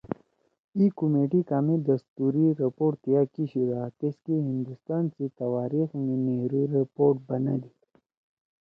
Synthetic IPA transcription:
ikumeːʈikaːmed̪ɐst̪uːɾiɾɐpoːʈt̪ijakiɕiɾat̪eskiɦind̪ust̪aːnsit̪ɐwaːɾixmeneɦɾiɾipoːɾʈ̚bɐna̰d̪i

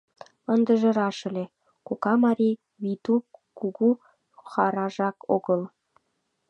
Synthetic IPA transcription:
ənd̪ə̆ʒə̆ɾɑʃə̆lʲe | kokɑmɑɾi | βit̪ukuɣu | xɑɾɑʒɑkoɣəl

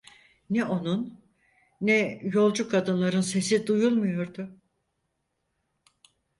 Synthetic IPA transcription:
nɛʔo̞nunː | ɛjo̞lˠd͡ʒukʰad̪ɯnlˠaɾɯnse̞sid̪ujulˠmujo̞ɾd̪ʊ

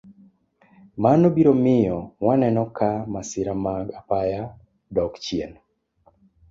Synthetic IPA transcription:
manobiɾomɪjɔwanɛnɔkamasɪɾamaɡapaja | dɔkt͡ʃiɛn

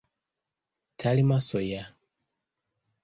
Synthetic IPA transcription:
tʰalimasɔja

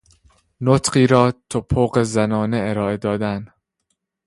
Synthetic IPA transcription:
not̪ʰɢiːɾɒːt̪ʰopʰːoːɢe̞zænɒːne̞eɾɒːe̞d̪ɒːd̪æn

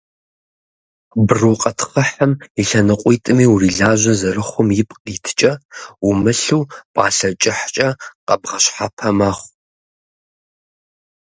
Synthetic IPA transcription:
bruːqʼɐtʰχəħamiɬɐnɨqʷʼiːtʼɨmiːwriːɮaːʒʷɐzɐrɨχʷʊmjɪpʼqʼiːtʰt͡ʃʼɐumɨɬuːpʼɑːɬɐt͡ʃʼɪħt͡ʃʼɐqɐbʁɐɕħapʰɐmɐχʷ

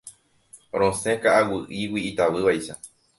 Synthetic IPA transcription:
ɾõsẽkaːwɨʔiwiit̪aʋɨʋajʃa

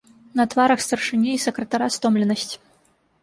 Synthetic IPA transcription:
nɐt̪vaɾɐxst̪ɐrʂɨnʲɛisɐkɾɐt̪aɾast̪ɔmlʲɛnɐsʲt͡sʲ

